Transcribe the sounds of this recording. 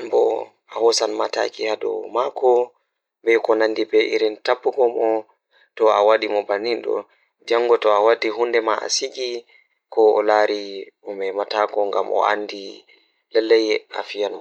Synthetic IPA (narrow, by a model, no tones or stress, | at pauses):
mbɔ | ahɔsanmata̰kihadɔ̰makʰɔ | bɛkɔnandibɛʔiɾintabːuɡɔmɔ | tɔawaɗimɔbaninɗɔ̰ | d͡ʒaŋːɡɔtɔawadːiɦundɛmaʔa̰siɡi | kɔɔlaɾi | umɛmataɡɔŋɡa̰mʔɔ̰a̰ndi | lɛlːɛja̰fijanmɔ